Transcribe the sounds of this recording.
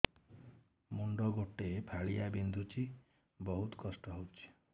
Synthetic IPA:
muɳɖɔɡoʈepʰaɭijabind̪ʱut͡ʃʰi | bɔɦut̪ɔ̥kɔsʈɔɦowt͡ʃʰi̥

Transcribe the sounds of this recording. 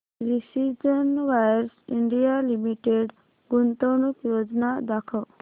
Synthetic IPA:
ɾisid͡ʒənʋajɾsiɳɖijalimiʈeɖ | ɡunt̪ɔnukjod͡ʒnad̪akʰəw

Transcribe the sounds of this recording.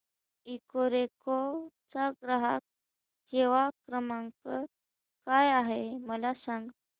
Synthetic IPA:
ikoɾeko | t͡saɡɾaɦak̚ | keʋakɾəmãŋkə | kajaɦeməlasãŋɡ

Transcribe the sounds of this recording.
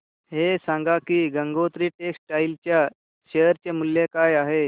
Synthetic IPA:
ɦesãŋɡakiːɡəŋɡot̪ɾiːʈeksʈʈailt͡ɕja | ɕejəɾt͡ɕemuljekajaɦe

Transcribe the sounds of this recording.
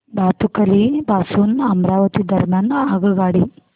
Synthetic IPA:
baːt̪ukɐlibaːsuːnɐmɾaːʋɐt̪id̪ɐɾmaːnːɐaːɡɐɡaːɽi

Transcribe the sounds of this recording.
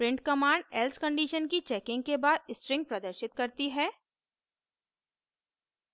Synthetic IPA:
pɾɪ̃ɳʈ̚kɐmaːɳɖɛlskɐ̃ɳɖiːʃənkit͡ʃɛːkɪ̃ŋɡkebaːd̪̚ɪsʈɾɪ̃ŋɡ̚pɾɐd̪əɾʃɪt̪̚kɐɾt̪iɦɛː

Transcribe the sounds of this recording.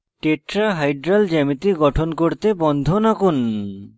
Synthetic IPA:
ʈeʈɾaɦajɖɾald͡ʑɛmit̪iɡɔʈʰonkoɾt̪ebɔnd̪ʱonakun

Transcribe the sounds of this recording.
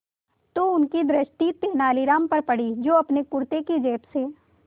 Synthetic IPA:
t̪oʊnkid̪ɾɪʃʈiːt̪ːenaːliɾaːmpɐɾpɐɽid͡ʒoːɐpnekʊɾt̪ekid͡ʒeːpseː

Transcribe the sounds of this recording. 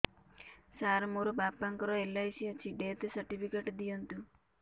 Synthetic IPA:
saːɾmuɾubaːpːɐŋkɐɾoːelːɐjsiɐt͡ʃːiɖeːt̪esɐɾʈipʰikeʈd̪ijɐnt̪u

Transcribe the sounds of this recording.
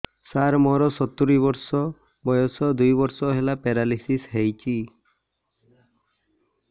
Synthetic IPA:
saɾmɔɾɔsɔt̪uɾibɔɾsɔ | bɔjɔsɔd̪ujbɔɾsɔɦelapeɾalisisɦejt͡ʃʰi

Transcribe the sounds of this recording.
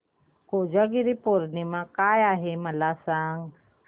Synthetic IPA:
kud͡ʒaɡiɾipoɾnimãkajaɦemalasaŋ

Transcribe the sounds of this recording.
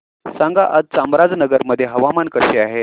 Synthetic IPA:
sãŋɡaʔəd͡z̪̚t͡samɾad͡znəɡəɾməd̪ʱːjeɦəʋamankəɕeaɦe

